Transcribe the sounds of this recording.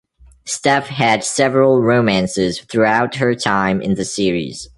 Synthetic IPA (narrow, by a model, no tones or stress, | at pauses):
stɛfɦɨd̥sɛvɹəl̩ˠɹoʊmæ̃nsɪz̥θɹuaʊt̚ɦə˞tʰãɪ̃mʔɪ̰̃nðɨsɪɹḭz̥